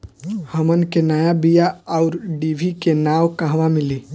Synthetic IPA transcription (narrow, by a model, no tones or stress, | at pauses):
həmənkenəjabijaaʊɾɖibʱikenaːwkəɦʋamɪli